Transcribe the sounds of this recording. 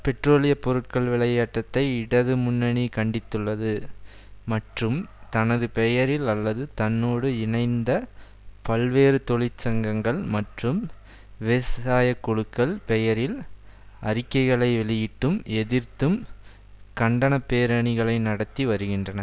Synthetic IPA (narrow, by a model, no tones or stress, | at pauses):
pɛʈroːlɪjɐpːɔɾɯʈ̚kɐɭʋɪɭɐjaːʈːɐt̪ːɐɪɪɽɐðɯmʊnːɐɳikɐɳɖɪt̪ːɯɭːɐðɯ | mɐʈrɯmt̪ɐnɐðɯpɛjɐɾɪlɐlːɐðɯt̪ɐnːoːɽɯɪnɐɪnd̪ɐ | pɐlʋeːɾɯt̪ɔɭɪt͡ʃːɐŋɡɐŋɡɐɭmɐʈrɯm | ʋesaːjɐkːɔɻɯkːɐɭpɛjɐɾɪlʔɐɾɪkːɐɪɣɐɭɐɪʋɛɭɪjɪʈːɯmɛðɪrt̪ɯm | kɐɳɖɐnɐpːeːɾɐɳɪɣɐɭɐɪnɐɽɐt̪ːiʋɐɾɯɣɪndrɐnɐ